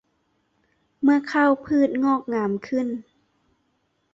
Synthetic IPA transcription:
mɯ˧˩ɐkʰa˧˥˨wpʰɯː˥˩t̪̚ŋɔː˥˩k̚ŋaː˩˦mkʰɯ˧˥˩n

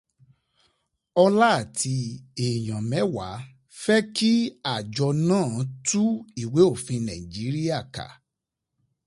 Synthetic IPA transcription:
ɔ˧la˦˨tʰi˧e˨j̃ã˨mɛ̃˨˦wa˨˦ | fɛ˦ki˦a˨d͡ʒɔ˧nãː˦˨˦tu˦i˦˨we˨˦o˦˨fĩ˧nã˨i˨d͡ʒi˨˦ɾi˦a˦˨ka̰˨

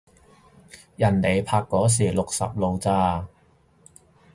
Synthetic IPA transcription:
jɐ˨˩nle˨˧jpʰaː˧kːɔː˨˥s̬iː˨˩lʊ˨k̚sɐ̰˨p̚lo˨˧wt͡saː˧

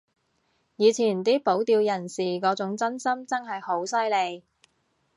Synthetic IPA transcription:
jiː˨˧t͡sʰiː˨˩nt̪iː˥po˨˥wt̪iː˧wjɐ˨˩nsiː˨˩kɔː˨˥t͡sʊ˨˥ŋt͡sɐ˥nsɐ˥mt͡sɐ˥ŋhɐ˨jho˨˥wsɐ˥jle˨˧j

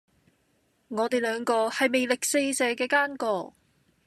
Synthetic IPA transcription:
ŋɔː˨˧t̪e˨jlœː˨˧ŋkɔː˧hɐ˨jme˨jlɪ˨k̚se˧jsɛː˨˧kɛː˧kaː˥nkɔː˧

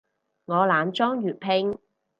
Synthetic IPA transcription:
ŋɔː˨˧laː˨˧nt͡ʃɔː˥ŋjyː˨t̚pʰɪ˧ŋ

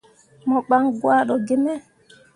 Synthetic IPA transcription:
mɔ˨k͡pa˦ŋɡwa˦ɗɔ˨ɡe˦mɛ˦

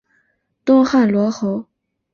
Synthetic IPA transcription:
t̪ʊ˥ŋxa˥˩nlwɔ˧˥xo˧˥ʊ

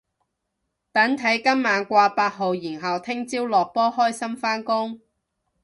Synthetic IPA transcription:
t̪ɐ˨˥nt̪ʰɐ˨˥jkɐ˥mmaː˨˧nkʷaː˧paː˧t̚ɦo˨wjiː˨˩nɦɐ˨wt̪ʰɪ˥ŋt͡siː˥wlɔː˨k̚pɔː˥hɔː˥jsɐ˥mfaː˥nkʊ˥ŋ

